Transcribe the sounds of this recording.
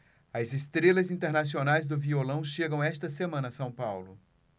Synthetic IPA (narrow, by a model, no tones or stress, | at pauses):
ɐzest̪ɾelɐzĩnt̪eɾnas̬ionajzd̪ʊviolɐ̃w̃ʃeɡɐ̃w̃ɛst̪ɐsemɐ̃nɐsɐ̃w̃pawlʊ